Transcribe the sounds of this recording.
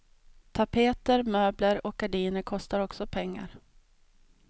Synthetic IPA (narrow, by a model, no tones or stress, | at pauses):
t̪ʰapʰeːt̪əɾmøːbləɾɔk̚ɡaɖiːnəɾkʰɔst̪aɾɔksɔpʰɛŋːa̰ɾ